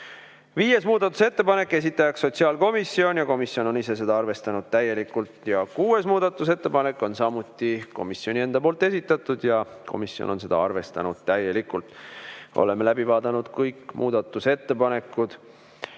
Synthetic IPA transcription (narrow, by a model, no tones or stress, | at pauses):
viːje̞smuːd̪̥ɑt̪ːˑu̥se̞t̪ːe̞pɑne̞kːˑe̞s̬it̪ːˑɑjɑksːo̞t̪siɑːlko̞misːio̞nʲjɑko̞misjo̞no̞nise̞s̬e̞d̪ɑɑrve̞st̪ɑnud̪̥̚t̪æjːe̞likult̪jɑkuːe̞smuːd̪̥ɑt̪ːˑus̬e̞t̪ːe̞pɑne̞kːˑo̞nsɑmut̪ːˑiko̞̰misio̞nʲie̞nd̪ɑpoːlt̪ːˑe̞s̬ʲit̪ːˑɑt̪ːˑud̪̥jɑ | kʰo̞̰misjo̰no̰nse̞d̪ɑ̰ɑrve̞st̪ɑnud̪̥t̪æje̞likult̪ˑʔo̰le̞melæbivɑːd̪̥ɑnud̪̥kɤjkːˑmʔuːd̪̥ɑt̪ːˑuse̞t̪ːe̞pɑne̞kːˑud̪̥